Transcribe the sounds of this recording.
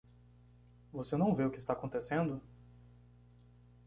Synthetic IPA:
vosenɐ̃w̃veʊkɪst̪aːkõnt̪esẽnd̪ʊ

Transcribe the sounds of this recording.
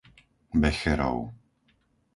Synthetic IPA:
bɛxɛɾa̰w

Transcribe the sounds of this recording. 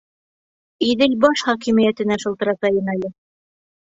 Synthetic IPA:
iðɘlbɑʃχɑkimĭjæt̪ɘ̆næʃɤ̆lt̪ɤ̆ɾɑt̪ɑjɤnælɘ

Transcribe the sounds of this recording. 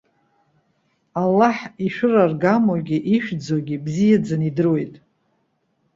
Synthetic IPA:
alːaħiʃᶣʊrarɡamwaɡʲiʔiʃᶣd͡zaɡʲibzijad͡zanidɨrwe̞jtʼ

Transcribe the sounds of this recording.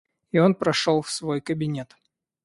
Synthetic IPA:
ɪo̞npɾɐʂolˠfsvo̞jkəbʲɪnʲet̪

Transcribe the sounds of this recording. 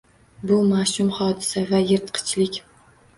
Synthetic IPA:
bʊmaʃʊmχɒd̪ɪsavajɪɾt̪qʰɨ̥t͡ʃlɪkʲ

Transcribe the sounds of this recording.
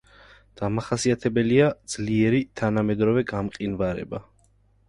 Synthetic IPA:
d̪̥amaχasiat̪ʰɛbɛliad̪z̥liɛɾit̪ʰanamɛd̪ɾɔvɛɡamqʼinvaɾɛ̰ba

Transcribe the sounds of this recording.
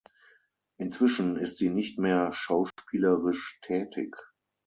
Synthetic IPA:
ʔɪnt͡sv̥ɪʃn̩ɪstz̥iːnɪçtmeːɐʃaʊʃpiːləʁɪʃtʰɛːtʰɪ̰k

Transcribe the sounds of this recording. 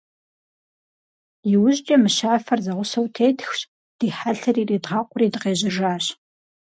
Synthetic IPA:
jɪwʊʑʼt͡ʃʼɐmɨʃaːfɐrzɐʁʷʊsɐwtʰeːtʰxɕ | d̥iːħaɬɐriːriːdʁɑːqʷʊriːdɨqeːʑɪʐaːɕ

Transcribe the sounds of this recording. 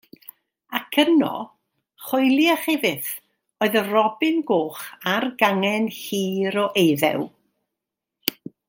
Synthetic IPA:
akʰənɔ̰ | χɔjlˠiaχɛvɨθ | oːɨðərɔbɪnɡoːχarɡaŋɛnhiːɾɔʔejðɛ̰w

